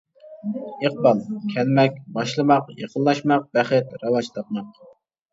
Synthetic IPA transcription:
eq̚bɑlˠkʲʰɛlmɛk̚ʲbɑʃlˠɨmɑqjəqənˠlːˠɑʃmɑq̚bɛχɨt̪ɾɑwɑd͡ʒt̪ʰɑp̪̚mɑq̚

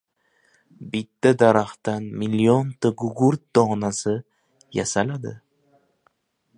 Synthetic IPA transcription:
bɪt̪ːad̪aɾaχt̪anmiliont̪ɨɡʊɡuɾt̪̚d̪ɒnasɪ | ja̰salad̪ɪ̰

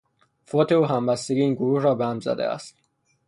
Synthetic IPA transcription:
fot̪ʰeuːɦæmbæst̪eɡiiːnɡoɾuːhɾɒːbehæmzæ̰d̪ḛæ̰st̪

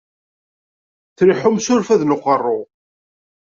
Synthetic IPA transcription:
θɾiħʊmsʊɾfæðnʊqərˤːʊ

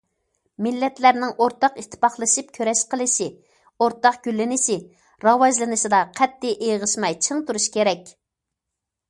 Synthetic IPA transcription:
mɪlːɛt̪læɾnɪŋʔoɾt̪ɑqit̪ʰːɪ̥pɑχlˠɨʃip̚kʲʰøɾɛʃqəlˠɨʃi | oɾt̪ɑqɡ̥ʲylːɪnɪʃɪ | ɾɑwɑʒlˠɨnɨʃid̪ɑqʰɛt̪ʰːɪʔeʁəʃmɑjt͡ʃʰɨŋt̪uɾuʃkʲeɾɛkʲ

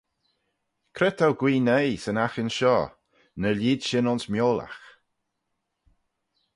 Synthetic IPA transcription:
kʰɾɛt̪ʰawɡwiːnejsənaxɪnʃɔː | nəliːdʃɪnɔnsmjoːla̰x

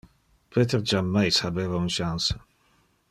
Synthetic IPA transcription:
pʰeːt̪eɾd͡ʒamːajshabeːvaunʃansə

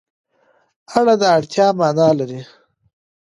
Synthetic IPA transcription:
aɽad̪aaɽt̪ʰjɑːmɑːnɑːlaɾi

